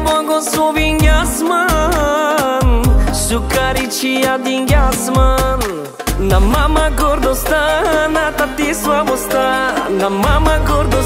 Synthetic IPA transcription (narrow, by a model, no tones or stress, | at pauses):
bɐ̃ɡosoʋiŋɡjasma | nsukaːɾit͡ʃʰijad̪iŋɡjasman | nɐmːamaɡoɾd̪ost̪anat̪ɐt̪isʋabost̪anɐmːamaɡoɾd̪u